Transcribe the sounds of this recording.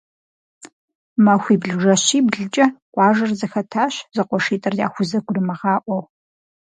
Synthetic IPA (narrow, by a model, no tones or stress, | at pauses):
mɐxʷiːbɮɨʒɐɕiːbɮɨt͡ʃʼɐqʷʼɑːʒɐrzɐxɐtʰaːɕzɐqʷɔʂiːtʼɐrda̰ːxʷʊzɐɡʷʊrɨmɐʁɑːʔʷɔw